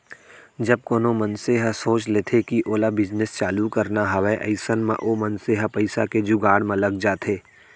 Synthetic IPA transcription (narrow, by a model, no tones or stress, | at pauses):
d͡ʒɐb̚koːnomɐnseɦəsoːt͡ʃleːt̪ʰekiʔoːlabɪd͡ʒnest͡ʃaːlukɐɾnaɦɐʋeʔɐ̰ɪsənmḛ̃ʔoːmɐnseɦapɐɪsaked͡ʒʊɡaːɽmẽlɐɡ̚d͡ʒaːt̪ʰeː